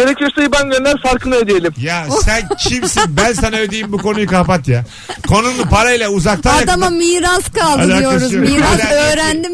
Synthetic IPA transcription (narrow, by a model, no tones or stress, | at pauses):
eɾɛcleɾsejibænɟønlʲæɾfaɾkʰɯnˠɯød̪ejelʲimjasænt͡ʃʰimsinbænsanaød̪ejimbuko̞nujukahpat̪ja | kʰo̞nunˠupaɾailʲˠɛuzak̚t̪ʰanjad̪amamiːɾaskʰalˠd̪lːajoaɾuzmiaøːɾænd̪im